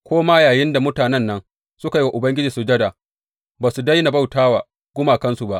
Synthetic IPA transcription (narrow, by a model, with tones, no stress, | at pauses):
kʷoː˦maː˦jaː˨jɪ˦nda˨mʊ˦taː˨nɛ˦nːɐ˦ŋ | sʊ˦ka˨ji˦wa˦ʔʊ˨bɐ˦ŋɡʲɪ˦d͡ʒiː˨su˨d͡ʒɐ˦daː˨ | baː˨su˨da˦jna˨ba˦wtaː˦waː˨ | ɡ̥ʷʊ˦maː˨kɐ˦nsu˨ba˦ʔ